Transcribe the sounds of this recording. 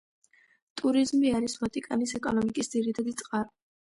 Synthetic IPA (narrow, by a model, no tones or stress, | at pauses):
t̪ʼuɾizmiaɾisvat̪ʼikʼanisɛkʼɔnɔmikʼisd̪ziɾit̪ʰad̪it̪sʼqʼaɾa